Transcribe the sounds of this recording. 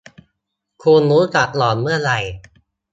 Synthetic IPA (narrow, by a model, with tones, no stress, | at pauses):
kʰuː˧nɾuː˦˥ka˨˩t̪̚lɔː˨˩n̚mɯ˥˩ɐɾa˧j